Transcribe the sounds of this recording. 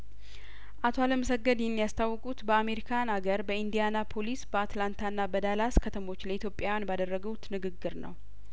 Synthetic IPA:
ʔat̪ʰo̞aləməsəɡːəd̪hnːijast̪ʰawːɔkʼut̪bəame̞ɾikʰanaɡəɾbəind̪ijanapʰo̞lisbəat̪lant̪ʰanːabəd̪alaskʰət̪ʰəmo̞t͡ʃːləit̪ʰjo̞pʼjawjanbad̪ərːəɡəwut̪nɨɡɨɡːɨɾnə̰w

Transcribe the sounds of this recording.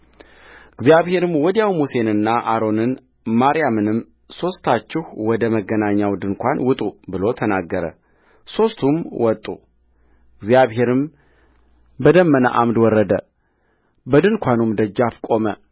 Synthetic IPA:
ɨɡzjaβhe̞ɾɨmwɔd̪jawmuse̞nɨnːaʔaɾo̞nɨn | maɾijamɨnɨm | so̞st̪ʰat͡ʃːɪhwɔd̪əməɡənaɲːawd̪ɨnkʷʰanwʊt̪ʼubɨlo̞t̪ʰənaɡːəɾə̰ | so̞st̪ʰumwʔɔt̪ʼːṵ | ɨɡzijaβhe̞ɾɨm | bəd̪əmːəna̰ʔamd̪wɔɾːəd̪ə | bəd̪ɨnkʷʰanumd̪əd͡ʒːafkʼo̞mə

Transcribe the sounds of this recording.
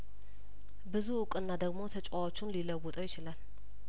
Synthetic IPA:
bɨzuːkʼɨnːad̪əɡmo̞t̪ʰət͡ʃʼawot͡ʃːunliləwɔt̪ʼəwjɪt͡ʃɪlal

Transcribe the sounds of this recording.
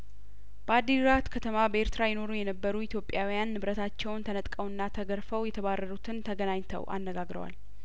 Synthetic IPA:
b̥əad̪ːiɾat̪kʰət̪ʰəmabəeɾt̪ɾajɪno̞ɾujɛnəbːəɾuit̪ʰjo̞pʼːjawijanːɨβɾət̪ʰat͡ʃːɛwnt̪ʰənət̪ʼkʼəwɨnːat̪ʰəɡəɾfəwjɛt̪ʰəβarːəɾut̪ʰɨnt̪ʰəɡənaɲt̪ʰə̰wʔa̰nːəɡaɡɾə̰wa̰l

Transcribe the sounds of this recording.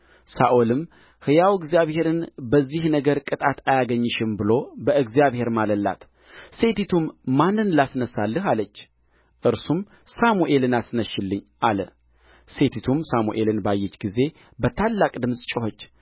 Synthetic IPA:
saʔolɨm | hɨjawɛɡzijaβhe̞ɾɨnbəzːihnəɡəɾkʼɨt̪ʼat̪ʰajaɡəɲːɨʃɪmbɨlo̞bəɨɡzijaβhe̞ɾmaləlːa̰t̪ | se̞t̪ʰit̪ʰumːanːɨnlasnəsːalːɨɦalət͡ʃː | ʔɨɾsum | samuʔe̞lɨnasnəʃːɪlːɨɲʔalə | se̞t̪ʰit̪ʰumsamuʔe̞lɨnbajːɛt͡ʃːɡize̞ | bət̪ʰalːakʼd̪ɨmsʼt͡ʃʼɪhot͡ʃː

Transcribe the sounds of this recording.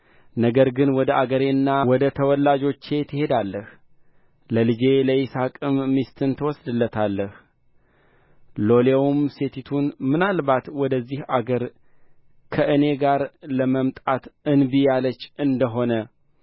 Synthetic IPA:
nəɡəɾɡɨnwɔd̪əʔaɡəɾenːawɔd̪ət̪ʰəwɔlːad͡ʒo̞t͡ʃːe̞t̪ʰɨhe̞d̪alːəh | ləlɨd͡ʒe̞ləjisakʼɨmːist̪ʰɨnt̪ʰəwɔsd̪ɨlːət̪ʰalːəh | lo̞lewmse̞t̪ʰit̪ʰunmɨnalβat̪wɔd̪əzːihaɡəɾ | kʰəʔɨne̞ɡaɾləməmt̪ʼat̪ɨnbijalət͡ʃːʔɨnd̪əɦo̞nə

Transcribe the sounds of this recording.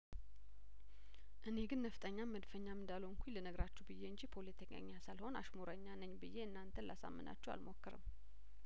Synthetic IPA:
ʔɨne̞ɡɨnːəft̪ʼəɲːaməd̪fəɲːamɨnd̪aloŋkʷʰilənəɡɾat͡ʃːɛwbɨjːeɨɲd͡ʒipʰo̞let̪ʰəɲa̰ɲːasalho̞na̰ʃmoɾəɲːanəɲːbɨjːeɨnːant̪ʰənla̰sa̰mːɨ̰nʔa̰t͡ʃːɛwa̰lmo̞kːəɾɨ̰m

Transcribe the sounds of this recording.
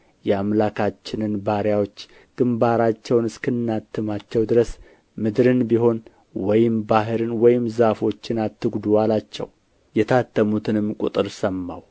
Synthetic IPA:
jɛamlakʰat͡ʃːɪnɨnbaɾjawo̞t͡ʃː | ɡ̥ɨmbaɾat͡ʃːɛwnɨskɨnːat̪ʰːɨmat͡ʃːɛwd̪ɨɾəs | mɨd̪ɾɨnbiɦo̞n | wɔjɪmbaɦɨɾɨnwɔjɪmzafo̞t͡ʃːɪnat̪ːɨɡd̪uwalat͡ʃːɛ̰w | jɛt̪ʰat̪ːəmut̪ʰɨnɨmkʼṵt̪ʼɨɾsəmːa̰w

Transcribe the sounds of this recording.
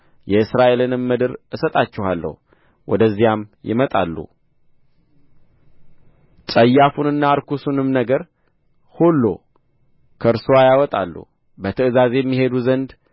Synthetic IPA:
jɛɨsɾaʔe̞lɨnɨmːɨd̪ɨɾɨsət̪ʼat͡ʃːɛhalːə̰hu | wʔɔ̰d̪əzːijamjɪ̰mət̪ʼa̰lːṵ | t͡sʼəjːafunɨnːaːɾkʰusunɨmnəɡəɾ | holːo̞̰ | kʰəɨɾsowajawɔt̪ʼa̰lːṵ | bət̪ʰəɨzaze̞jɛmːiɦe̞d̪uzənd̪

